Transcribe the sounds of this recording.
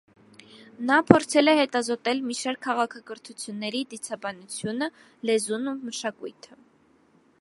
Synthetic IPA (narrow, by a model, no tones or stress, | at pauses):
nɑpʰɔɾt͡sʰɛlɛhɛt̪ɑzɔt̪ɛlmiʃɑɾkʰːɑʁɑkʰɑɡəɾt̪ʰut͡sʰjunːɛɾid̪it͡sʰɑbɑnut͡sʰjunə | lɛzunuməʃɑkujt̪ʰə